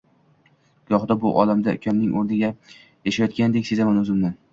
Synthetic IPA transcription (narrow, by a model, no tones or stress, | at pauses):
ɡ̥ɒχd̪abʊʔɒ̰lamd̪akʲʰamnɪŋʔoɾnɪɡʲa | jaʃajɒt̪kʲʰand̪ekʲsezamanɵzɪmnan